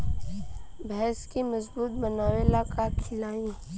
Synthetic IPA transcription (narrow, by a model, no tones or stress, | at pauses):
bɛɦskimɐzbuːt̪̚bənaːwelaːkakʰɪlaːĩː